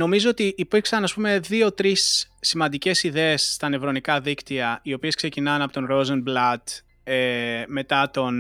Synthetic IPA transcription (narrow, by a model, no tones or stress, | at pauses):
no̞mizo̞ot̪iʔːpiɾksɐnɐspume̞ðio̞t̪ɾisːimɐnd̪ice̞siðeesːt̪ɐnevɾo̞nikɐðikt̪iɐio̞pieskse̞cinɐnɐpo̞t̪o̞nɾozɐnblɐt̪ | eme̞t̪ɐt̪o̞n